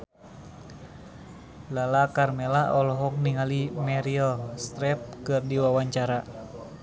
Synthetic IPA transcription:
lalakarmɛlaɔlɔɦɔk̚niŋalimɛɾiɔst̪ɾɛp̚kɨrdiwawaɲt͡ʃaɾa

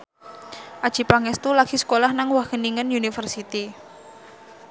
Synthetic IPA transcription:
ʔad̥ʒ̥i̤paŋɛst̪ulaɡ̥i̤sə̥kolahnaŋwaɡ̥əniŋənunifərsit̪i

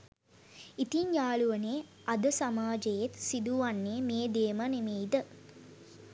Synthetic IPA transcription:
it̪iɲjaːɭuʋəneː | ad̪əsamaːd͡ʒejet̪sid̪uʋanːeːmeːd̪eːmənemeːid̪ə

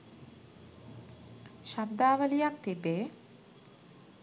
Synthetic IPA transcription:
ʃabd̪aːʋəlijak̚t̪ibeː

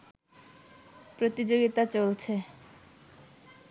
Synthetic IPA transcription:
pɾot̪id͡ʑoɡit̪at͡ɕolt͡ɕʰe

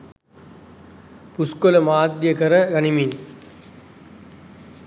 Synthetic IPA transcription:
puskolɐmaːd̪jɐkɐɾɐɡɐnimin

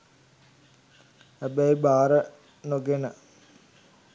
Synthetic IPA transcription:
æbɐibaːɾə | noɡenə

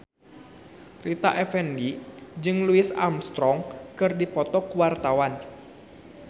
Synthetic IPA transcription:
rit̪aʔɛfɛndid͡ʒɨŋluɪsa̰mst̪ɾɔŋkɨrdipɔt̪ɔkuwart̪awan

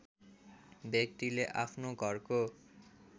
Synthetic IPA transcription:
bjek̚t̪ileʔapʰnoɡʱʌrko

